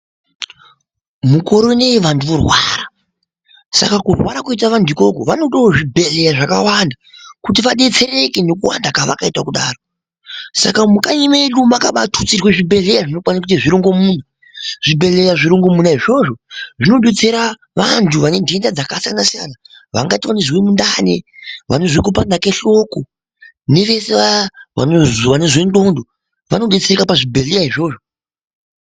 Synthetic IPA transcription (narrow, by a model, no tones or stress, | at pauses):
muko̞ɾo̞neʋanduurwa̰ɾa | sa̰kakurwaɾakuitaʋandʱuiko̞ko̰ʋano̞ɗooʐibʱe̞le̞jaʐakawandakutiʋaɗe̞t͡se̞re̞kene̞kuwa̰ndakaʋa̰kaitakuɗaːro | sa̰kamukaɲimeɗumakaɓatʰut͡sirweʐibʱe̞ɮe̞jaʐino̞kwanakutiʐiɾiŋɡo̞muːna | ʐ̥ibʱe̞ɮe̞jaʐiɾuŋɡo̞munaɦiʐo̞ʐo̞ʐino̞ɗet͡seɾa | ʋantʰuʋane̞dʱendad͡zakasijanasija̰na | ʋa̰ŋɡatiwaneʐwemundanḛʋa̰neʐwek̬upandake̞ɬo̞ko | ne̞ʋe̞seʋaʋa̰noʋaneʐwendo̞ndo | ʋano̞ɗet͡serekapaʐibʱeɮejaɦiʐo̞ːʐo